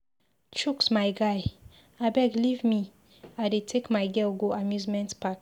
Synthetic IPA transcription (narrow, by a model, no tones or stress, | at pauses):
t͡ʃuksmaɪɡaɪ | abɛɡlivmi | aɪdetʰekmaɪɡɛlɡoamjuzmɛ̃ntpak